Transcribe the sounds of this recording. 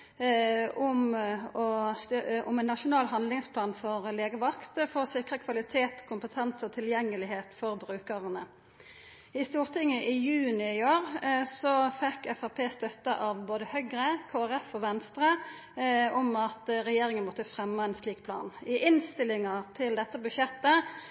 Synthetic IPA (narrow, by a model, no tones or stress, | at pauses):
ʊmɔst̪ʊmɛnːɑʃʊnɑːlɦɑnd̪lɪŋspʰlɑːnfɔʁleːɡəʋɑkt̪fɔsɪkʁəkʰʋɑlɪt̪ʰeːt̪kʰʊmpət̪ʰɛnsɔt̪ʰɪljɛŋːəlɪɦeːt̪fɔʁbɾʉːkəʁənə | ɪst̪uːʁt̪ʰɪŋːəʔɪjʉːnɪɪoːʁsɔfɛkːɛfæʁpʰeːst̪œt̪ːəʔɑʋboːd̪əhœɡɾəkʰoːæʁɛfɔʋɛnst̪ʁə | ɔmɑt̪ɾɛjeːɾɪŋənmɔt̪ːəfʁɛmːəɛnsliːkpʰlɑ̰ːnɪʔɪnst̪ɪlɪŋɑʁt̪ʰɪld̪ɛt̪ːəbʉʃjɛt̪ːə